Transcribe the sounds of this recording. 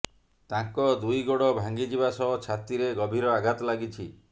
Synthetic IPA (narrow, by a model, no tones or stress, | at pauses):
t̪ãŋkɔd̪ujɡoɽɔbʱaŋɡid͡ʒibasɔɔt͡ʃʰat̪iɾeɡɔbʱiɾɔaɡat̪ɔlaɡit͡ʃʰi